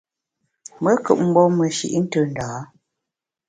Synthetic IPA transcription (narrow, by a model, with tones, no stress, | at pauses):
mə˦kɨ̰˨ʔ̚m̩˦bɔ˦mə˨ʃḭ˨ʔn̩˦tə˨n̩˨daː˨˦